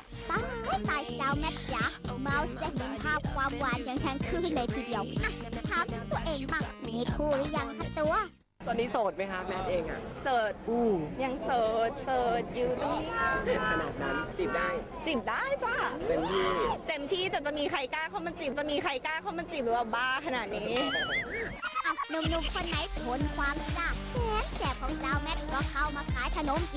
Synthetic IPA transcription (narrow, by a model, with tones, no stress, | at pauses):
t̪a˧˥˧t̪aː˨˩jsaː˧wmɛ˦˧˥t̪̚ja˧˥ma˧˨wst͡ɕa˧˩me˧˨npʰaː˥˩p̚kʰwaː˧˥˨mwa˧˥˨nja˧˩ŋt̪ʰɛ˧˥˩nkʰɯː˧˩kʰɯ˧˩nlɤː˧jt̪ʰiː˧˩di˧ɐəwʔa˧˩t̪ʰa˧˩˧t̪u˧ɐʔeː˧ŋfa˧˩ŋ˨miː˧kʰuː˧˩lɯ˧˥˨ja˧˩ŋkʰa˧˥˩t̪u˧ɐ | t̪u˧niː˦˥soː˨˩t̪̚ma˦˥jkʰa˦˥mɛ˦˥t̪̚ʔeː˧ŋʔa̰˨˩ʔsɤː˨˩t̪̚ʔuː˧˩ja˧˩ŋsɤː˨˩t̪̚sɤː˨˩t̪̚juː˨˩t̪ɔ˧˨ni˦˥˧kʰa˧naː˨˩t̪̚na˦˥nsi˨˩p̚daː˥˩j | t͡ɕi˨˩p̚daː˥˩jt͡ɕa˧˥˩pe˧ni˧˩t͡ɕe˧mt̪ʰiː˧˥˩t͡ɕa˨˩t͡ɕa˨˩miː˧kʰa˧jkaː˥˩kʰa˧˥˩wma˧nsi˨˩p̚t͡ɕa˨˩miː˧kʰa˧jkaː˥˩kʰaː˧˥˩wma˧nsi˨˩p̚ɾɯː˨˩waː˧˩baː˧kʰa˧naː˨˩t̪̚niː˦˥˧ | a˧˩nu˧mnu˦˧˥m̚kʰo˧nːa˨˦˥jʰo˨˦nkʰwaː˧m˧t͡ɕa˧˥˩k̚mɛː˧˥kɛː˨˩kʰɔ˨˦ŋt͡ɕaː˧wmɛ˦˥t̪̚kʰu˧˦ɐ˧kʰa˧˩wmaː˧˩kʰaː˨˥jt̪ʰa˧no˧˦˥m